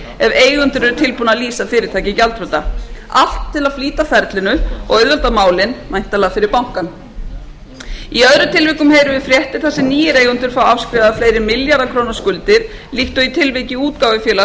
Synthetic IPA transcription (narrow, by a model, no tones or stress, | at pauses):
ɛveːjɣʏnt̪ʏɾɛɾʏt̪ʰɪlpunaliːsafɪːɾɪɾt̪ʰaːjcɪcalt̪ɾœt̪aal̥t̪ʰːɪlaðfliːt̪afɛɾt̪lɪnʏɔ̰ɣœðvœlt̪amaːwlɪnmajn̥t̪alaːɣafɪɾɪɾpawŋ̥kan | iœðɾʏt̪ʰɪlvɪːkʏmheːjɾʏvɪfɾjɛht̪ɪ̥θɛsːɪniːjɪɾejɣʏnt̪ʏɾ̥fawafskɾɪːvaðafleːjɾɪmɪljaɾðakʰɾoːwnaskʏlt̪ɪɾ̥ | liht̪ʏit̪ʰɪlvejcɪuːt̪kaːwvɪfjɛːla